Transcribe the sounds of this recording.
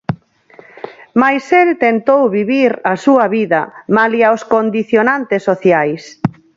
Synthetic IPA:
majselt̪ent̪owβiβiɾɐsuɐβiðɐmaliaoskond̪iθjonant̪ɪsːoθjajs

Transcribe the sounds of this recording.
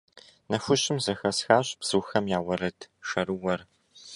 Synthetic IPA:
nɐfʷʊɕɪmzɐxɐsxaːɕb̥z̥ɨːxɐmjaːwɐɾɐtʰʂɐɾɨwɐr

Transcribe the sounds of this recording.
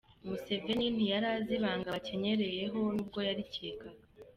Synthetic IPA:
muse̞ve̞nin̥hijaɾaziβaːŋɡace̞ɲe̞ɾe̞je̞ɦo̞nub̚ɡo̞jaɾiceːkaɡa

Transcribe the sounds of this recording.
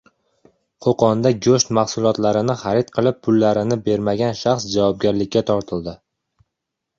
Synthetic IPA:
qʰoqɒnd̪aɡʲɵʃt̪maχsʊlˠɒt̪laɾɪnɪχaɾɪt̪̚qʰɨlˠɪp̚pʰːʊlːaɾɪnɪbe̞ɾmaɡʲanʃaχsd͡ʒavɒb̚ɡʲaɾlɪkʲːat̪ʰɒɾt̪ʰɪlˠd̪ɪ

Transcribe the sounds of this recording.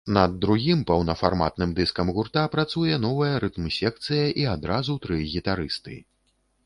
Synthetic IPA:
nɐd̪ːɾuɣʲimpɐwnɐfarma̰t̪̚nɨmd̪ɨskɐmɣurt̪apɾat̪sujɛnɔvɐjɐɾɨt̪msʲɛk̚t̪sɨjɐʔiad̪ɾazut̪ɾɨɣʲit̪aɾɨst̪ɨ̰

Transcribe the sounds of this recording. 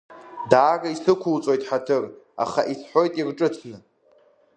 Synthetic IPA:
daːɡaisɨkʷʰult͡sʼo̞jtʼħatʰɨra̰χaʔisħʷo̞jtʼirʈ͡ʂʼɨtʰnɨ

